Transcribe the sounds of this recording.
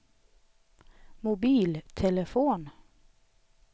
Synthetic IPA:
mʊbiːlt̪ʰɛləfuːn

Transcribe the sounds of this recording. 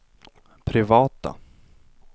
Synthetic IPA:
pʰɾɪvɑːt̪a̰

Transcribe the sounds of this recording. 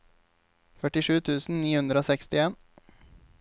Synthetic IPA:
fœʈɪʂʉːt̪ʰʉːsn̩niːhʉnd̪ɾəoːsɛkst̪ɪeːn

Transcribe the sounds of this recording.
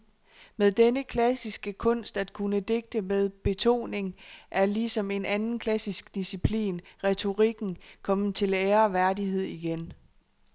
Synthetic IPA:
með̞ˠd̥enəkʰlæsisɡ̥əkʰɔ̽n̰sd̥æd̥kʰunəd̥e̝ɡ̥̚d̥əmeð̞ˠb̥e̝t͡sʰo̝̰ːne̝ŋʔæɐlisɒ̽me̝nʔænn̩kʰlæsisɡ̥d̥isipʰlḭːnʁɛt͡sʰo̝ʁiɡ̥n̩kʰɒ̽mð̩ˠt͡sʰe̝leːɐʋæɐdiɦe̝ð̞̰ˠiɡ̥en

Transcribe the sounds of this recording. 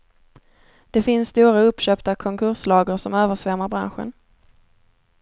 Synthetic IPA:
d̪̥ɛfɪnsst̪uːɾaɵpːɕœːpt̪akʰɔŋkʰɵɾʂlɑːɡəɾʂɔmøːvəʂvɛɾmaɾbɾa̰nɧə̰n

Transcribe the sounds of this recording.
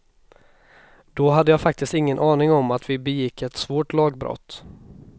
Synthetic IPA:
d̪̥ɔɦad̪ːəjɑːfak̚t̪ɪst̪ɪŋːənʔɑːnɪŋɔmat̪vɪbɛjɪkʰːɛt̪svoːʈlɑːɡbɾɔ̰t̪ː

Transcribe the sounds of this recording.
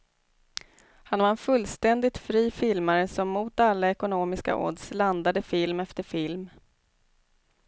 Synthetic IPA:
hanvaɾɛnfɵlːst̪ɛnd̪ɪt̪fɾiːfɪlmaɾəsɔmːuːt̪alːaɛkʊnoːmɪska̰ʔɔ̰ɖ̪sland̪ad̪əfɪlmɛft̪əɾfɪlm

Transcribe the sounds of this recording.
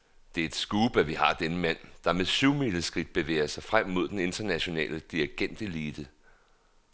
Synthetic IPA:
d̥e̝ɐe̝d̥sɡ̥uːb̥æʋihɑ̈d̥enəmæn̰d̥ɑ̈meðɕyʊmil̥əsɡ̥ʁid̥̚b̥e̝ʋḛːɐsɑ̈ɪfʁam̰mo̝ð̞̰ˠd̥ene̝nd̥ɐnæɕo̝nɛ̰ːləd̥iɐɡ̥en̰d̥e̝liːd̥ə

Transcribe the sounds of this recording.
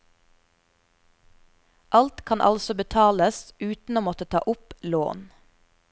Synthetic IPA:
ʔɑlt̪kʰɑnʔɑ̰lsɔbət̪ʰɑːləsʔʉːt̪n̩oːmɔt̪ət̪ʰɑ̰ːʔʊplo̰ːn

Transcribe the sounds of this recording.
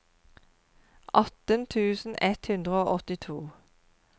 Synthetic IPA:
ʔɑt̪ənt̪ʰʉːsn̩ɛt̪hʉnd̪ʁəoːʔɔt̪ɪt̪ʰuː

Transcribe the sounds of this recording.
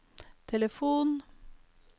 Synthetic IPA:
t̪ʰɛləfuːn

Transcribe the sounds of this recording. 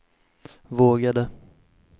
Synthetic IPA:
voːɡad̪ə

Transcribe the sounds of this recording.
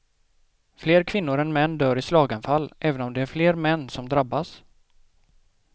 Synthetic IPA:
fleːɾkʰvɪn̪ːʊɾɛnmɛnːd̪œːɾɪslɑːɡanfalːʔɛːvənɔmd̪ɛæɾfleːɾmɛnːsɔmd̪ɾabːas

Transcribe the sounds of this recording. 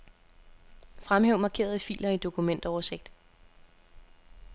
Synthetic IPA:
fʁamheʊ̰mɑ̈kʰe̝̰ːɐð̞ˠəfḭːlɐid̥o̝kʰumen̰d̥ɒʊɐse̝ɡ̥̚d̥

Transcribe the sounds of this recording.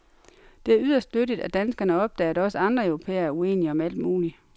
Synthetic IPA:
d̥e̝æɐyðˠɐsd̥nøɾid̥æd̥ænsɡ̥ɐnəɒ̽b̥̚d̥ɛ̰ːdɾ̥ɒ̽səɑ̈nd̥ʁɐœʊʁo̝pʰḛːɐæɐue̝̰niəɒ̽mæl̰d̥muːli

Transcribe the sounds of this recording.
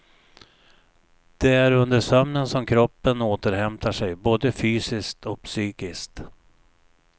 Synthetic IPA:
d̪̥ɛæɾɵnd̪əʂœmnənsɔmkʰɾɔpːənoːt̪əɾhɛmt̪ʰaʂɛjboːd̪əfyːsɪskt̪ʰɔk̚psyːkɪskt̪

